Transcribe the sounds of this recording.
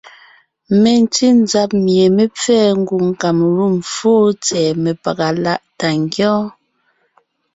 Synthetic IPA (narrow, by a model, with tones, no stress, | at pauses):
me˨n˦ti˦n˦d͡za˨˦p̚mje˨me˦p͡fɛː˦ŋ˦ɡu˨ŋ̩˨ka˨mɾu˦˨mfoː˦t͡sɛː˨me˨pa˨ɡa˨la˦˨ʔta˨ŋɡjɔ̃ː˦